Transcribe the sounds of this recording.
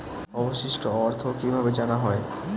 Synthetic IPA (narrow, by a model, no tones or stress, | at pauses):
ɔboʃiʃʈoɔɾt̪ʰokibʱabed͡ʑanaɦɔe